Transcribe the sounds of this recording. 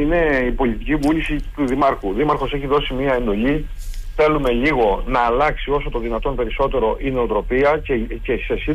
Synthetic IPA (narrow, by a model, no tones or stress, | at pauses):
ine̞ipo̞lit̪icivulisit̪uðimɐɾxuðimɐɾxo̞se̞çiðo̞simiɐe̞nd̪o̞ʎi | θe̞lume̞ʎiɣo̞nɐːlɐksio̞so̞t̪o̞ðinɐt̪ompe̞ɾiso̞t̪e̞ɾo̞ʔineot̪ɾo̞piɐcece̞se̞si